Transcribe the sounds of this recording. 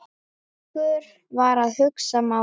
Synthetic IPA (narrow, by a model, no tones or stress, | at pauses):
kʏɾ | vaɾaðhʏksama